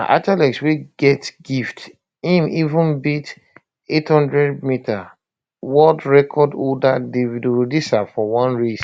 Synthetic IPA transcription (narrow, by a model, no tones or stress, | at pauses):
aʔatalɛksweɡ̥ɛtɡift | ĩmivũnbit | ethɔ̃ndɹɛdmita | wɔdɹɛkʰɔdodadevidoɹodisafɔwɔ̃nɹis